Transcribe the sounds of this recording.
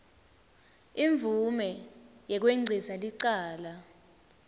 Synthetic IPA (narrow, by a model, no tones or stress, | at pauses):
iɱb̪vumɛjɛk̬weŋ͡ǀʱisaliǀaːla